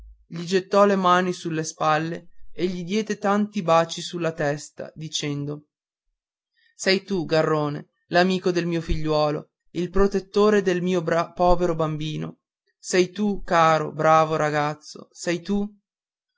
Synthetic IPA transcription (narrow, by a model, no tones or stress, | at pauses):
ʎid͡ʒet̪ːɔlemaːnisulːespalːeːʎːid̪jɛːd̪et̪ant̪ibaːt͡ʃisulːat̪ɛst̪a̰d̪it͡ʃɛnd̪o | sɛjt̪uɡarːoːne | lamiːkod̪elmiːofiʎːwɔːlo̰ | ilpɾot̪et̪ːoːɾed̪elmiːobpɔːveɾobambiːno̰ | sɛjt̪ukaːɾo̰bɾaːvoɾaɡat̪sːo̰sɛjt̪u